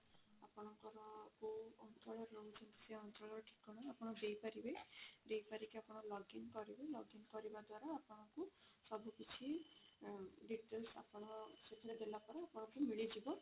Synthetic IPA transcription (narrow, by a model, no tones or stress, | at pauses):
apɔɽ̃ɔŋkɔɾɔkuɔnt͡ʃɔɭɔɾɾout͡ʃʰɔnt̪i̥seɔntɔɭɔɾɔʈʰi̥kːɔɽ̃ɔapɔɽ̃ɔdejpaɾibeɖejpaɾikeapɔɽ̃ɔɾlɔɡinkɔɾibelɔɡinkɔɾibad̪waɾaːpɔɽ̃ɔŋku | sɔbukit͡ʃʰi | ɖiʈelsa̰pɔɽ̃ɔsetʰiɾebelapɔɾaapɔɽ̃ɔkumiɭid͡ʒibɔ